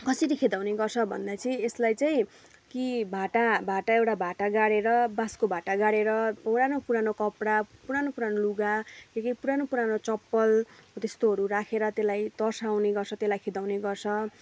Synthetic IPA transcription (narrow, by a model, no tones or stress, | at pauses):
kʌsiɾikʰed̪awneɡʌrt͡sʰʌbʱʌ̰nd̪at͡sʰieslajt͡saĩ | kibʱaʈabʱaʈaewʈabʱaʈaɡaɽeɾʌbaskobʱaʈaɡaɽeɾʌpʌɾanopuɾanokʌpɽapuɾanopuɾanoluɡakekipuɾanopuɾanot͡sʌpːʌlt̪est̪oɦʌɾurakʰeɾʌt̪elajt̪ʌrsawneɡʌrt͡sʰʌt̪elajkʰed̪awneɡʌrt͡sʰʌ